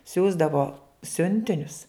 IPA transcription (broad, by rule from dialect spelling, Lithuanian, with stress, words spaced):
ˈsʲuːzdɐʋoː ˈsʲʊnʲtʲɪnʲʊs